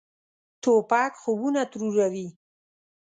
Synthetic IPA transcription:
t̪opɑkxobunat̪ɾuɾawi

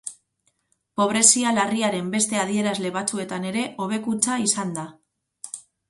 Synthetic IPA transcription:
po̞β̞ɾe̞sialariaɾe̞mbe̞st̪e̞aðie̞ɾazle̞β̞at͡sue̞t̪ane̞ɾe̞ʔo̞β̞e̞kut͡saisand̪a

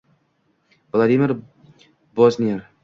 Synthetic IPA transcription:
vlˠad̪imʲɪɾ | bɔznʲijeɾ

